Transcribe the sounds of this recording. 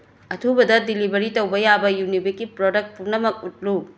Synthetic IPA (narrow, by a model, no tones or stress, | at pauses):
ɐtʰubɐdɐdilibɐɾitɐwbɐjabɐjunibekːipɾodɐk̚t̚punɐmɐk̚ut̚lu